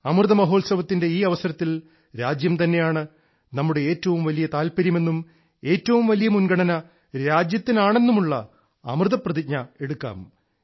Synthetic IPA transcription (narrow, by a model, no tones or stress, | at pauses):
ɐmrɨðɐmɐɦo̞ːlsɐʋɐt̪ːinde̞iːɐʋɐsɐɾɐt̪ːil | ɾaːd͡ʑjɐmt̪ɐnːe̞jaːɳɨ | nɐmːuɽe̞eːtːɐʋumʋɐlijɐt̪aːlpɐɾjime̞nːum | e̞ːtːɐʋumʋɐlijɐmunɡɐɳɐnɐ | ɾaːd͡ʑjɐt̪ːinaːɳe̞nːumuɭːɐ̰ː | mrɨðɐprɐðik̚ɲɐe̞ɽukːa̰ːm